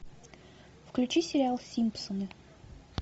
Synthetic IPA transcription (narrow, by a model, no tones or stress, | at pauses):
fklʲʉt͡ɕisʲɪɾʲɪalˠsʲimpsonə